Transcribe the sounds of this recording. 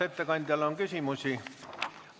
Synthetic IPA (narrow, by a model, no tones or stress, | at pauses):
et̪ːekɑnʲt̪ælːoŋkysiˑmusi